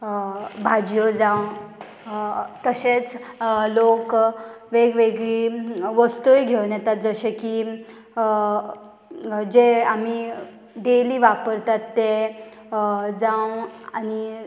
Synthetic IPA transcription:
bʱad͡ʑjod͡zãw | t̪əɕet͡slok | ʋeɡʋeɡɭiʋəst̪ujɡʱewnjɛt̪at̪̚d͡zəɕeki | d͡ʑeami | d̪eliʋapəɾt̪at̪ːe | d͡zawani

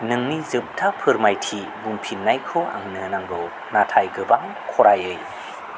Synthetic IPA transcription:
nɯŋnizɯp̚tʰapʰɯɾmajtʰi | bumpʰinːajkʰɯa̰ŋnɯnaŋɡɯw | natʰajɡɯbaŋ | kʰɔɾajɯj

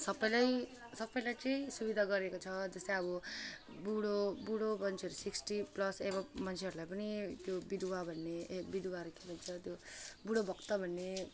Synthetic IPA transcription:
sʌpːʌjlaj | sʌpːʌjlajt͡sʌ̃ĩsubid̪ʱaɡʌɾekot͡sʰʌd͡zʌst̪ʌjʌbʌ | buɽobuɽomʌnt͡sʰeʌɾusiksʈiplʌsebʌmʌnt͡sʰeʌɾulajpʌnit̪jobid̪ʱwabʱʌnːebid̪ʱuwaɾukebʱʌnt͡sʰʌt̪jobuɽobʱʌkt̪ʌbʱʌnːe

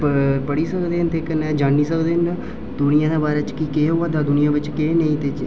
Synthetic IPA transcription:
pəpəɽiːsəkd̪eːnt̪eːkənɛːd͡ʒaːniːsəkd̪eːnd̪aː | d̪ʊnɪjãːd̪aːbaːɾeːt͡ʃkiːkeːɦoaːd̪aːd̪ʊnɪjãːʋɪt͡ʃkeːnəĩːt̪eːt͡ʃ

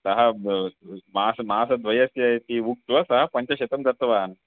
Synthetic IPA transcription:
sɐɦɐ | maːsɐmaːsɐd̪ʱʋɐjɐsjɐjt̪iʋuk̚t̪ʋɐsɐɦɐpɐɲt͡ʃɐɕet̪ɐmd͡zɐɾt̪ɐʋaːn

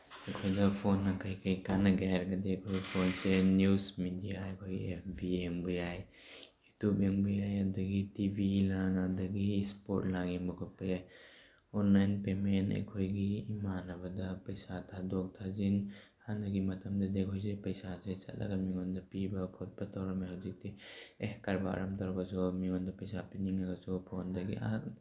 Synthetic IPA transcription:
ekʰojdɐpʰonːakajkʰajkanaɡaɾɡɐd̪ekʰopʰonsenjusmidijaejkʰojɡiep̚ʰbiembujaj | jutubeŋbujajadɐɡitibʱilaŋadɐɡispo̰t̚laɡinbɐkʰɔt̚pjaj | ɔnlajnpemenḛjkʰojɡiːmanɐbɐdɐpɐjsatʰadɔk̚tʰazin | hanɐɡimɐtʰɐmdɐdekʰɔjzepɐjsaset͡ʃa̰t̚la̰ɡamiŋɔndɐpibɐkʰɔt̚bɐtawɾamajhawzik̚tiehkaɾba̰ɾamtaɾaɡasɔmiŋɔndɐpɐjsapiniŋaɡɐsɔpʰɔndɐɡḭʔat

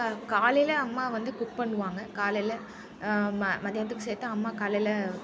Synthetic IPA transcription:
kaːlɐjlɐɐmːaːʋɐnd̪ɯkʊʈ̚pɐɳːɯʋaːŋɡɐkaːlɐlɐ | mmɐðɪjaːnt̪̬ːɯkːɯseːɾt̪ãɐmːaːkaːlɐɪlɐ

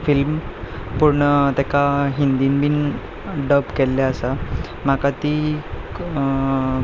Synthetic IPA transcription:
film | puɾɳət̪ɛkaɦind̪inbin | ɖəbkɛlːeasa | m̤akat̪i

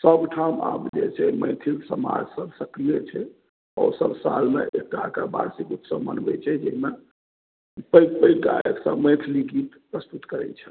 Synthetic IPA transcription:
səbʈʰama̰bd͡ʒet͡ʃʰɛmə̃ɪt̪ʰilsəma̰d͡ʒsəbsəkɾijet͡ʃʰɛ | ɔsəbsa̰lmḛʔek̚ʈakəba̰ɾsikut̪səbmə̰nbɛ̰t͡ʃʰɛd͡ʒɛɦime | pəjkpəjkkaeksəbmə̃jt̪ʰliɡit̪ | pɾəst̪ut̪kəɾɛ̰t͡ʃʰɛ

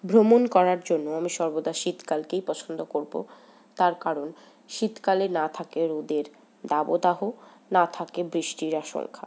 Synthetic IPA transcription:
bʱɾomonkɔɾaɾd͡ʑonːoamiʃɔɾbod̪aʃit̪kalkejpɔt͡ɕʰond̪okoɾbo̰ | t̪aɾkaɾon | ʃit̪kalenat̪ʰakeɾod̪eɾ | d̪abod̪aɦonat̪ʰakebɾiʃʈiɾaʃo̰lkʰa̰

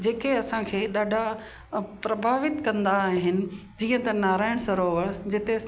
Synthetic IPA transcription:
d͡ʑeːkeɐsãkʰeːɗaːɖʱa | pɾɐbʱaːʋɪt̪kɐ̃nd̪aːɦɪnɪ̆ | d͡ʑiːə̃t̪ɐnaːɾaːɪɽ̃sɐɾoːʋəd͡ʑɪt̪e

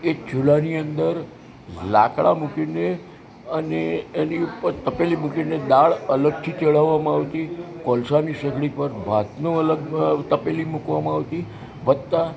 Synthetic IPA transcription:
et͡ʃulaniənd̪əɾ | la̰kɭa̰mukine | əneːniupəɾt̪əpelimukined̪aɭələɡ̚t̪ʰit͡ʃeɭaʋːamãaʋt̪ikɔlsanisəɡɽipəɾbʱat̪noələɡ̚t̪əpelimukʋamãaʋt̪i | ʋəd̪̚t̪a

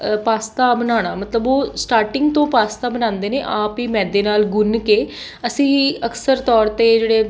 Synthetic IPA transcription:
paːst̪aːbənaːɽ̃aːmət̪ləboːsʈaːɾʈɪŋɡt̪õːpaːst̪aːbənãːnd̪eːneːʔaːpiːmɛ̃ːd̪eːnaːlɡʊnkeː | əsĩːəksəɾt̪ɔːɾt̪eːd͡ʒeːɽeː

